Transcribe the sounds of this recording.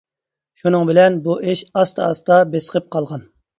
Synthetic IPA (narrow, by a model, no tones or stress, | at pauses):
ʃunɨŋbɪlɛnbuʔeʃɑst̪ʰɑɑst̪ɑbesə̥qəp̚qʰɑlˠʁɑn